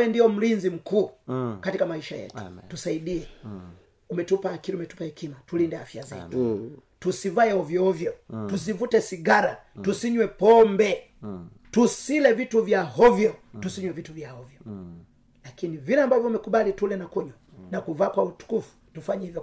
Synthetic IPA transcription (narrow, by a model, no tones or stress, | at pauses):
ɛndiɔm̩linzim̩kuːkatikamaiʃajɛ̰tu̥tusaiɗiɛ | umɛtupaakiɾiumɛtu̥pahɛkimatulindɛafja̰zɛ̰tu̥tusivaɛɔvjɔɔvjɔtus̬ivutɛsiɡaɾatusiɲwɛpɔmbɛ | tusilɛvituvjaɦɔvjɔtusiɲwɛvituvjahɔvjɔ | lakinivilɛambavjɔumɛkuɓalitulɛnakuɲwa | nakuvaːkwautu̥kufu̥tufaɲɛhivjɔ